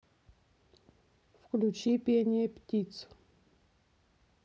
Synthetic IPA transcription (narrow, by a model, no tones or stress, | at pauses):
fklʲut͡ɕipʲenʲɪjəpʲtʲit̪s